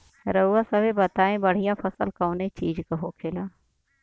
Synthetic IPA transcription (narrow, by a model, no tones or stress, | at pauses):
ɾəuːasɐbebɐt̪aːẽbəɽ̤ɪjãːpʰɐsəlkɐːnet͡ʃiːd͡ʒkəɦoːkʰeːlaː